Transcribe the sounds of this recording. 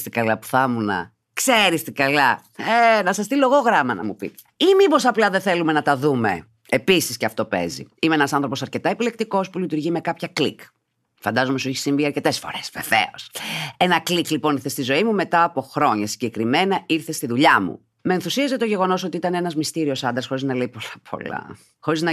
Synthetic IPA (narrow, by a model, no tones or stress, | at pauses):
st̪ikɐlɐpu̥θɐmunɐ̰ | kseɾist̪ikɐlɐ | enɐsɐst̪ilo̞ɣo̞ɣɾɐmɐnɐ̰mupḭt̪e̥imibo̞sɐplɐðeθe̞lume̞nɐt̪ɐðume̞̰ | episisceɐft̪o̞pe̞̰zḭimeenɐsɐnθɾo̞po̞sɐɾce̞t̪ɐepile̞k̚t̪iko̞spulit̪uɾʝime̞kɐpçɐklḭk | fɐnd̪ɐzo̞mesuɛçi̥siɱviɐɾce̞t̪e̞sfo̞̰ɾe̞svḛvḛo̞senɐkliklipo̞niɾθest̪izo̞imume̞t̪ɐːpo̞xɾo̞ɲɐsi̥ɲɟe̞kɾime̞nɐiɾθe̞st̪iðuʎɐmṵ | meːnθusiɐzet̪o̞ʝe̞ɣo̞no̞so̞t̪iit̪ɐnenɐzmist̪iɾio̞sɐnd̪ɾɐsxo̞ɾiznɐleipolɐpʰo̞̰lɐ̰ | xo̞ɾiznɐ